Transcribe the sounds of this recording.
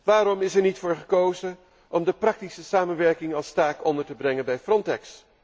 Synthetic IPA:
ʋaːɾɔmɪsɛɹnitfʊːɹχəkowzə | ʔɔmdəprɑk̚tisəsaːmənʋɛɹkɪŋɑlˠstaːkɔndəɹtəbrɛŋənbɛjfrɔntɛks

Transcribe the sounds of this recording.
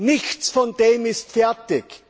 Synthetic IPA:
nɪçt͡sfɔndeːmɪstfɛɐtɪk

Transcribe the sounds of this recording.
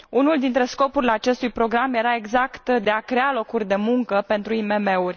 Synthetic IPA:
unuld̪int̪ɾe̞sko̞puɾileat͡ʃe̞st̪ujpɾo̞ɡɾamje̞ɾae̞ɡzakt̪d̪e̞akɾe̞alo̞kurʲd̪e̞muŋkəpe̞nt̪ɾuime̞me̞urʲ

